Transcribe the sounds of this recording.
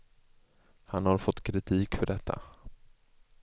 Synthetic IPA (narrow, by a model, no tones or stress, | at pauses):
hanhaɾfɔt̪ːkʰɾɪt̪ʰiːkfœɖɛt̪ʰːa̰